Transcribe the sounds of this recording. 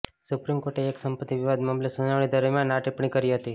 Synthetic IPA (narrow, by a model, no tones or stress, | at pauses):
supɾimkoɾʈeːksəmpət̪ːiʋɪʋad̪mamlesunaʋɳ̃id̪əɾmjãnːaʈipɳ̃ikəɾiɦət̪i